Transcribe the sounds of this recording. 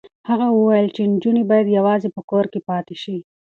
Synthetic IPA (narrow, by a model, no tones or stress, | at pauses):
haɣawəwajəlt͡ʃend͡ʒunebɑjad̪jawɑzepəkoɾkepɑːt̪eʃi